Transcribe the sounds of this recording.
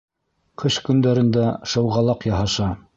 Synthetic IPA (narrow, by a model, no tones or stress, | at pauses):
qʰɤʃkɵ̆nd̪æɾɘ̆nd̪æʃɤ̆wʁɑlˠɑqjɑɦɑʃɑ